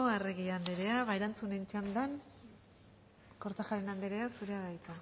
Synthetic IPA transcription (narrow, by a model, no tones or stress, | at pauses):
oareɣiand̪eɾe̞aβaeɾant͡sunent͡ʃand̪an | ko̞ɾt̪axaɾenand̪eɾe̞asuɾe̞aɣajt̪a